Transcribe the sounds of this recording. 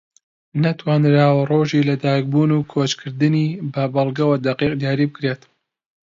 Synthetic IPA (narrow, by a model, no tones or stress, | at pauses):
nɐt̪ʰwaːnɾaːwɐroːʒiːlɐd̪aːk̚buːnuːkʰoːt͡ʃkʰɨɾd̪ɨniːbɐbɐlˠɡɐwɐd̪ɐqiːq̚d̪jaːɾiːbɨkɾeːt̪